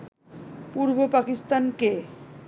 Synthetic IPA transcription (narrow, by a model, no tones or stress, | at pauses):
puɾbʱopakist̪anke